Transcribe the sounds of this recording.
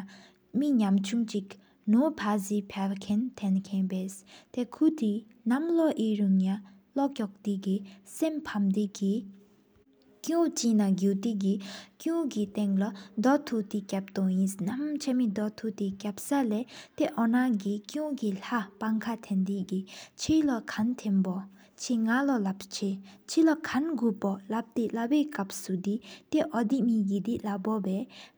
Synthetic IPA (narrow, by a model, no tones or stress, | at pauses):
miɲamt͡ɕʰuŋt͡ɕik | nopʰazipʰakʰɛnt̪ʰɛnkʰɛnpest̪ekʰut̪i | namlɔʔiɹuŋja | lɔʔkɔk̚t̪ikisempʰamd̪iki | kũt͡ɕiʔnaɡuːt̪ik̬ikjũŋkit̪eŋlad̪ɔt̪ʰut̪ikap̚t̪ɔŋjisnamt͡ɕʰamid̪ɔt̪ʰut̪ekap̚salɛt̪eʔɔnaɡikjũkilapaŋkʰat̪ʰend̪iʔɡit͡ɕʰilɔkʰant̪ʰenbɔ | t͡ɕʰiŋalɔlap̚t͡ɕʰet͡ɕʰilɔkʰanɡupɔlap̚t̪elaweːkap̚sud̪it̪eʔɔd̪iʔmiːɡid̪iʔlabɔwɛː